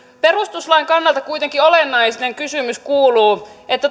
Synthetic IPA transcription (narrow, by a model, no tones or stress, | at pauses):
perust̪uslɑiŋkɑnːɑlt̪ɑkuit̪eŋkiolenːɑisneŋkysymyskuːluːʔet̪ːæt